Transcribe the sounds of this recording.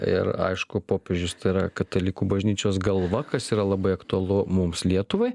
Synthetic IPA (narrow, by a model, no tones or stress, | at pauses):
ɪ̰ɾɐ̰ɪʃkʊpoːpʲeːʒʲʊst̪ɐɪɾɐkɐt̪ɐlʲikuːbɐʒʲnʲiːt͡ʃʲoːsɡɐlˠʋɐkɐsiːɾɐlˠɐbɐɪɐkt̪ʊɐlˠʊmʊmslʲiɛt̪ʊʋɐɪ